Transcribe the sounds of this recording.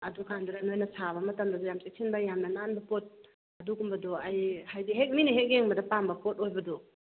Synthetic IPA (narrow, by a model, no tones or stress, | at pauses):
ɐdukʰanduɾanojnɐsʰabɐmɐtɐmdɐdɔjamsek̚sʰinbajamnɐnanbɐpot̚ | ɐduɡumbɐdɔajhajdiɦek̚niniɦek̚jeŋmbɐdɐpambɐpot̚ojbɐdɔ